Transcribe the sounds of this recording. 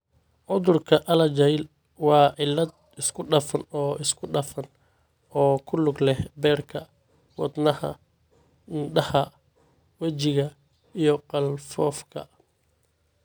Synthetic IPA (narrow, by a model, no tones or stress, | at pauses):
ʕʊðʊrkʰɐʔɐlɐt͡ʃɛjl | wɑːʕɪlːɐd̪̚ | ɪskʰʊɖɐfɐnɔːʔɪskʰʊɖɐfɐn | ɔːkʰʊlʊɡlɛhbɛːrkʰɐ | wɑ̰d̪nɐhɐ̰ | ɖɐhɐ | wɐt͡ʃɪɣɐ | ijɞqɑlfɔːfkʰɐ̰